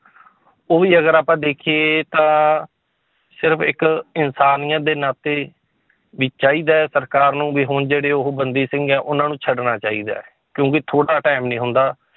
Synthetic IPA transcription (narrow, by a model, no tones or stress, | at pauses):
oːʋiːəɡəɾaːpãːd̪eːkʰijeːt̪ãː | sɪɾpʰɪ̰kɪnsaːnijãːd̪eːnaːt̪eː | ʋɪːt͡ʃaːiːd̪aːɛːsəɾkaːɾnũːʋiːɦoːnd͡ʒeːɽeːʊɦbənd̪iːsɪ̃ŋɡɛːʔʊnãːnũːt͡ʃʰəɖnaːt͡ʃaːḭːd̪a̰ːɛ | kjõːkɪt̪ʰoːɽaːʈaːɪmnĩːɦʊnd̪aː